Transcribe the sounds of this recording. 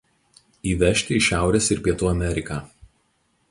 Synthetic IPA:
iːʋʲɛʃʲt̪ʲɪɪʃʲæˑʊɾʲeːsɪɾpʲiɛt̪uːɐmʲɛɾʲɪkaː

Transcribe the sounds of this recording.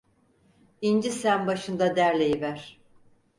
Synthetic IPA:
ind͡ʒisænbaʃɯnd̪ad̪æɾlʲejivæɾ̥

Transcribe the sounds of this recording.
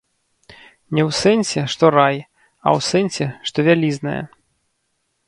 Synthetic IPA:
nʲɛwsɛnʲsʲɛʂt̪ɔɾaj | ɐ̰wsɛnʲsʲɛʂt̪ɔvʲalʲiznɐ̰jɐ̰

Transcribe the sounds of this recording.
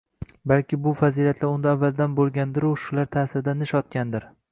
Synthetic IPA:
balkʲɪbʊfazilat̪ʰlaʊnd̪aːvːald̪anbolˠɡʲand̪ɪɾuʃʊlaɾt̪ʰasɪɾɪd̪anɪʃɒt̪̚kʲand̪ɪɾ

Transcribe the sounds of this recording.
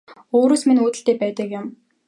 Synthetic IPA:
oːɾoːsminuːt̪ɘ̆ɬt̪eːpæːt̪ə̆kjɪ̆m

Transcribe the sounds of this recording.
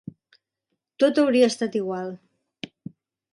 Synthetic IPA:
t̪ot̪əwɾiəːst̪at̪iɣwalˠ

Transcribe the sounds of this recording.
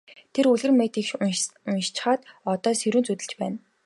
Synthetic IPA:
t̪ʰeɾuɮɣɘ̆rmeːt̪iːkʃʊnʃt͡ɕ̆χaːt̪ɔt̪ɔːseɾuːnt͡sut̪ɘ̆ɮt͡ɕpæ̰ːn

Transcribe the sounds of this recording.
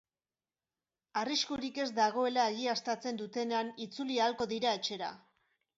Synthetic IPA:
ariskuɾike̞zd̪aɣ̞o̞e̞laeɣiast̪at͡se̞nd̪ut̪e̞neanit͡sulialko̞ðiɾae̞t͡ʃe̞ɾa̰

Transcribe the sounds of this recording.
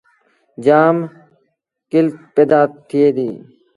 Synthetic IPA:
d͡ʒaːm | kɪlpeːd̪aːt̪ʰːɪeːd̪iː

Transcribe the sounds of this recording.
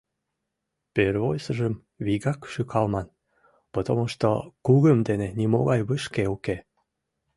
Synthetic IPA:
perβojsə̆ʒəm | βiɣɑkʃykʰɑlmɑn | pot̪omoʃt̪o̰kuɣəmd̪enenʲimo̰ɣɑjβəʃkeuke

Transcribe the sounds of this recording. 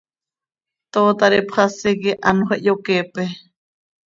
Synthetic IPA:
t̪ot̪aɾepʰχasekeʔanoɦeʔjokepe

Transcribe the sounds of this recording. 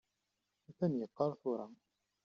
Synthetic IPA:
θænjəqːɑɾˤθʊɾˤɑ

